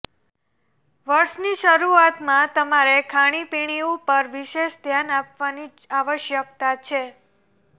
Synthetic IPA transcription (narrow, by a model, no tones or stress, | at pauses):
ʋəɾʃniʃəɾuat̪mãt̪əmaɾekʰaɽ̃ipiɽ̃iupəɾʋiʃeʃd̪ʱjanapʋani | aʋəʃjək̚t̪at͡ʃʰe